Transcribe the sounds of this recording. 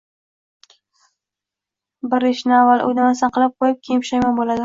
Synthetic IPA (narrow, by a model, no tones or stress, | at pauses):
bɪɾɪʃnɪavːalˠʔo̰jdnamasaqɨlɪp̚qʰojɪp̚kʲʰejpʃajmanbolad̪ɪ